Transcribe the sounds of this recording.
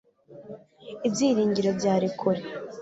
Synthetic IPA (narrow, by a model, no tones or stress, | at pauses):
ibziːɾiːɲɟiɾo̞bɟaːɾikʰuɾe